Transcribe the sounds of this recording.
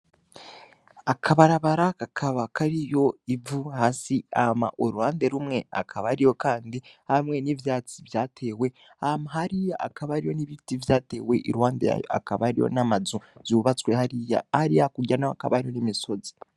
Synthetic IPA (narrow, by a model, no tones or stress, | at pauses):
akʰaβaɾaβaɾakakʰaβakʰaɾijo̞ivuhaːsia̰hma̰ʔoɾuwaːnde̞ɾumŋe̞a̰kʰaβaɾijo̞kaːndihamŋe̞nivjaːt͡si̥vjaːtʰe̞ːwe̞ | ahmaɦaɾijaa̰kaβaɾijo̞niβitivjaːte̞ːwe̞ʔḭɾwaːndḛa̰ja̰kaβaɾḭjo̰namazuz̥uβat͡swehaɾija̰haɾijakuɟanaaka̰βaɾijo̞nimiso̞zi̥